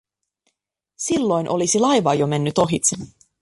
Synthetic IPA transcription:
silːo̞jnʔo̞lisilɑjʋɑːjo̞me̞nːyt̪o̞ɦit̪sen

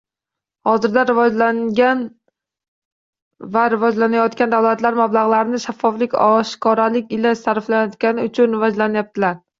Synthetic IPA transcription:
hɒzɪɾd̪aɾɪvɒan | vaɾɪvɒd͡ʒlanajɒt̪kʲand̪avlat̪laɾmablˠaʁlˠaɾɪnɪʃafːɒflɪkʲɒʃkʰɒɾalɪkʲɪlaʃsaɾflajɒt̪kʲanɪʊt͡ʃʰʊnɾɪvad͡ʒlanajap̚t̪ʰɪlaɾ

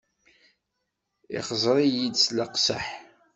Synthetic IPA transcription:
ɪ̰χəzˤɾˤijid̪sləqsa̰ħ

